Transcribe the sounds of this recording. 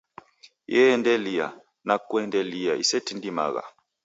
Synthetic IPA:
jɛndɛlija̰ | nakwɛndɛlijaʔisɛtindima̰ɣa̰

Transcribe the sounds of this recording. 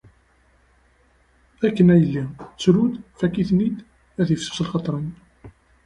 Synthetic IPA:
ækːənæjəlːit͡sːɾud̪fækːiθnid̪ | æθjəfsu̥səlχɑt̪ˤɾˤən

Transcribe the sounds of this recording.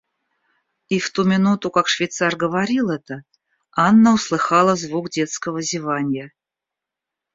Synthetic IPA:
ift̪umʲɪnut̪ʊkakʂvʲɪjt̪sarɡəvaɾʲilˠɛt̪ə | anːəʊslˠɨxɑlˠəzvukdʲe̞t̪skəvəzʲɪvanʲjə

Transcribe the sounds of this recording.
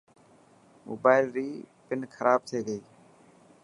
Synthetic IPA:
mo̰ːbaːɪlɾiːpɪnkʰəɾaːb̚t̪ʰeːɡəiː

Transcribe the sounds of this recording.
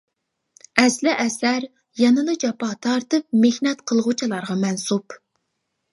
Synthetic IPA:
ɛslɪʔɛsæɾ | jɑnɨlɨd͡ʒɑpɑt̪ʰɑɾt̪ɨp̚mehnɛt̪qʰəlˠʁʊt͡ʃʰɨlˠɑɾʁɑmɛnsup

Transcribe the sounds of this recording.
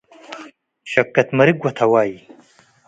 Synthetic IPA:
ʃɐkːɐt̪mɐɾiɡwɐt̪ʰawɑːji

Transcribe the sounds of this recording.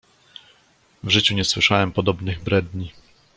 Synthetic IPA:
vʐɘt͡ɕuɲɛswɘʂawɛmpɔd̪ɔbnɘɣbɾɛd̪ɲi

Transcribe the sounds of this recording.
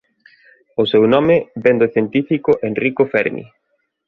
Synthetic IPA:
osewnɔmebend̪oθjent̪ifikoʔenrikofɛɾmḭ

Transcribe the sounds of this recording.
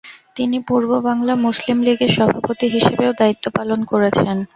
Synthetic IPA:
t̪inipuɾbobaŋlamuslimliɡeɾʃɔbʱapot̪iɦiʃebeod̪ait̪ːopalonkoɾet͡ɕʰen

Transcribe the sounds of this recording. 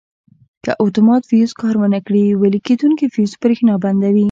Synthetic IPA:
kə̰ʔat̪umɑt̪fijuskɑɾmanakɽiwəliked̪uŋkifijuspɾexnɑband̪awi

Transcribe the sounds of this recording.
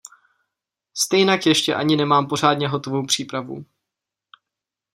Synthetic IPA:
st̪ɛjnakjɛʃcɛ̰ʔaɲɪnɛmaːmpo̞r̝aːdɲɛɦo̞t̪o̞vo̞wpr̝̥iːpɾavṵ

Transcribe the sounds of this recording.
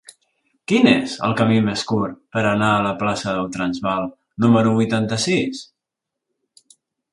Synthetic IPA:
kinezə̰lˠkəmimeskurpəɾənaələplasəðəlˠt̪ɾənzβalˠ | numəɾuβujt̪ant̪əsis

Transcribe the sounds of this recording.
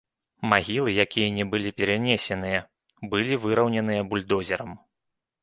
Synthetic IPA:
maɣʲilˠɨjakʲijɐnʲɛbɨlʲipʲɛɾanʲesʲɛnɨjɐ | bɨlʲivɨɾɐwnʲɐnɨjɐbulʲd̪ɔzʲɛɾɐm

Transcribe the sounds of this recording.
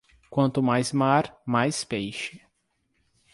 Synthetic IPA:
kwɐ̃nt̪ʊmajzmaɾmajspejʃɪ

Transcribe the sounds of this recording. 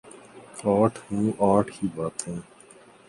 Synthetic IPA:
aːʈʰhũːʔaːʈʰkiːbaːt̪ɦɛ̃ː

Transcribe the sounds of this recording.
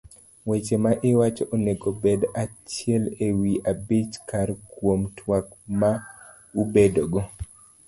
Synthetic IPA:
wɛt͡ʃemaʔɪwat͡ʃɔʔɔneɡɔbedat͡ʃiɛlewiʔabit͡ʃkʰaɾkwomtʰwak̚ma | ubedoɡɔ

